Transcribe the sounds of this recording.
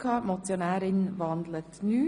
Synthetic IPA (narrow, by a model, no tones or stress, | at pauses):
kʰɑmɔt̪jɔnæːɾɪnʋɑnd̪lət̪nʉː